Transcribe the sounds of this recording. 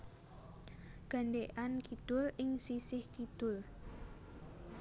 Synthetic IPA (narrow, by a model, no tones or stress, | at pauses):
ɡ̥a̤ɳɖeʔankid̪̥ʊlɪŋsisɪhkid̪̥ʊl